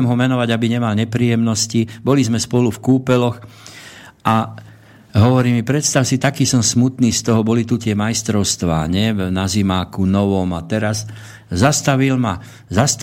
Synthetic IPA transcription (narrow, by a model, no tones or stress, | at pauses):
mɦɔmɛnɔʋaɟabiɲɛmalɲɛpɾiːjɛmnɔscibɔlizmɛspɔlufkuːpɛlɔx | ʔa | ɦɔʋɔɾiːmipɾɛt̪st̪aʊsit̪akiːsɔmsmut̪niːst̪ɔɦɔbɔlit̪ut̪ɪɛmajst̪ɾɔʊst̪ʋa̰ːɲɛnazimaːkunɔʋɔmat̪ɛɾas | zast̪aʋilma | zast̪